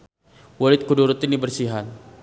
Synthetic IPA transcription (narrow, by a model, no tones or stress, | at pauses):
walɪt̪̚kuduɾut̪inibərsiɦan